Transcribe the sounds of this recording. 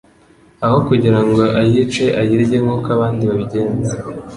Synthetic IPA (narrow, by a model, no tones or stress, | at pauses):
aho̞kuɟiɾaŋɡo̞ʔajit͡ʃeʔajiɾɟeŋukaβaːndiβaβiɟe̞ːnze